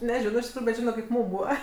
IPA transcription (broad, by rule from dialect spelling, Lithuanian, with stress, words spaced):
nʲɛˈʒʲɪnoː ɪʃ tʲɪkˈruːjʊ bʲɛt ˈʒʲɪnoː kɐɪp ˈmuːm ˈbuːʋɐ